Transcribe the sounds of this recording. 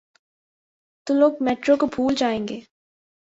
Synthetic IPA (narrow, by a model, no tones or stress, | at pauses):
t̪uloːɡ̚mɛːʈɾokobʱuːld͡ʒaːẽːŋɡeː